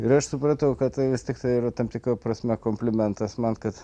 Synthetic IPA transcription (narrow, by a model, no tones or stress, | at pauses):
ɪɾɐʃsʊpɾɐt̪ɐʊkɐt̪t̪ɐɪʋʲɪst̪ʲɪkt̪ɐɪiːɾɐt̪ɐmt̪ʲɪkɾɐpɾɐsʲmʲɛkoːmʲpʲlʲɪmʲɛnt̪ɐsmɐnkɐt̪